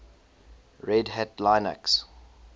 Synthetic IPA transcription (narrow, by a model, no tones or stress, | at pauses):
ɹɛdhætlãɪnə̰ks